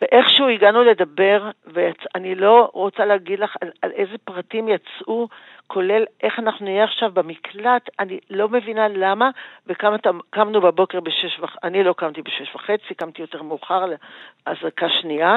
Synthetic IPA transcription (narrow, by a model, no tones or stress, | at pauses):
veʔeχʃuiɡanule̞dabe̞ʁvejat͡sanilo̞ʁo̞t͡saleaɡidlaχalalʔeze̞pʁatimjat͡sʔu | kʰo̞le̞lʔe̞χanaχnunijeaχʃavbemikʰlat̪anilo̞me̞vinalamavekamat̪amkamnubebo̞ke̞ʁbeʃeʃvaanilo̞kamt̪ibeʃeʃvaχet͡sikamt̪ijo̞teʁmeːχaʁleazakaʃnia